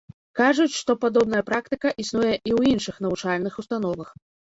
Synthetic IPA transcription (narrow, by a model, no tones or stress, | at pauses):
kaʐut͡sʲʂt̪ɔpad̪ɔbnɐjɐpɾakt̪ɨkɐʔisnujɛʔiwinʂɨxnɐvut͡ʂalʲnɨxust̪anɔvɐx